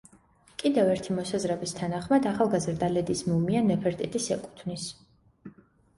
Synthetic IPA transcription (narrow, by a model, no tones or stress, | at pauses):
kʼid̪ɛvɛɾt̪ʰimɔsazɾɛbist̪ʰanaχmad̪aχalˠɡazɾd̪alɛd̪ismumianɛpʰɛɾt̪ʼit̪ʼisɛkʼu̥t̪ʰvnis